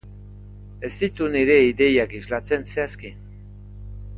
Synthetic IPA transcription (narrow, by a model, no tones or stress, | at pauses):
e̞st̪it̪uniɾe̞iðe̞jakizlat͡se̞nseaski